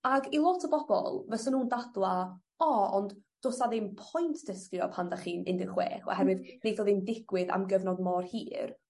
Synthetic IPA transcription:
aɡilˠɔtʰəbɔbɔ̰lˠvɛsənuːndadlˠa | ɔɔndd̥oːsaðɪmpʰɔjntʰd̥əskjɔ̰pʰandaχiːnɪ̰ndɪrχwḛːχɔ̰hɛɾwɪðnejdoːðɪndɪɡ̥wɪða̰mɡəvnɔdmɔrhiːr

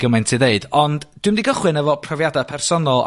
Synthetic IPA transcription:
ɡ̥əmɛntʰiðeɨd̥ɔndd̥wɪmdiɡəχwɨnəvɔpʰrɔvjadapʰɛrsɔnɔlˠ

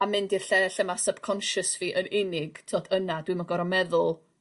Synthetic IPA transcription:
amɪndirɬɛɬəmasəb̥kʰɔnʃəsv̥iːʔənɪnɪɡ̥tʰoːdənadwimaɡɔɾɔmɛðʊlˠ

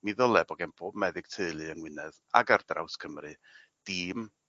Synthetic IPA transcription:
miðɔlˠɛbɔɡɛmb̥oːbmɛðɪɡ̥̚tʰeɨlˠɨənwɪnɛða̰ɡardra̰wskʰəmrɨ | d̥iːm

